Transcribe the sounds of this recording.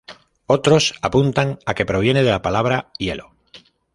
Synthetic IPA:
o̞t̪ɾo̞sapunt̪aŋake̞pɾo̞β̞je̞neðelapalaβ̞ɾaje̞lo̰

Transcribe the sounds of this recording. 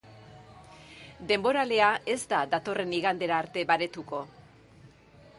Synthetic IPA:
d̪e̞mbo̞ɾale̞ae̞zd̪ad̪at̪o̞re̞niɣand̪e̞ɾaːɾt̪e̞βaɾe̞t̪uko̞

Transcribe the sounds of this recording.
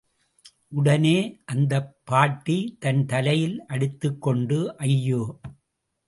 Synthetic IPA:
ʔʊɽɐneːʔɐnd̪ɐpʰːaːʈːit̪ɐnt̪ɐlɐjɪlʔɐɽɯt̪ːɯkːɔɳɖɯʔɐjːoː

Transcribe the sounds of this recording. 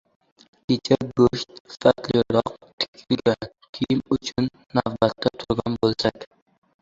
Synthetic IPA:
kʲet͡ʃʰaɡɵʃt̪ɪ̥fat̪lɪɾɒqt̪ʰɪ̥ɪlɡʲan | kʲʰejɪmʊt͡ʃʰʊnːavbat̪ːat̪ʰʊɾɡʲanbolˠsakʲ

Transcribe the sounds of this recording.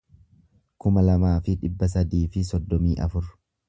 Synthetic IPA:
kʊmɐlɐmaːfɪᶑɪbːɐs̬ɐd̪iːfɪsɔd̪ːɔmiːʔɐfʊɾ

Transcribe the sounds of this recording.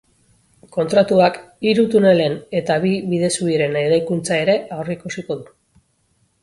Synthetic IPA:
ko̞nt̪ɾat̪uakiɾut̪une̞le̞ne̞t̪aβiβiðe̞suiɾe̞ne̞ɾajkunt͡sae̞ɾe̞ʔawriikusiko̞ðu

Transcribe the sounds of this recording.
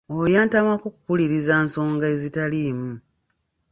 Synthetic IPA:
ojaːntamwakuku̥kuliɾizaːnso̞ːŋɡae̞zitaliːmu

